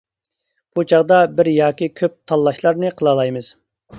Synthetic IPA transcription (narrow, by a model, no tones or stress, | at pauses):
b̥ut͡ʃʰɑʁd̪ɑbɪɾjɑːkʲikʲʰøp̚t̪ʰɑlˠːɑʃlˠɑɾnɨqʰəlˠɑlˠɑjmɨz̥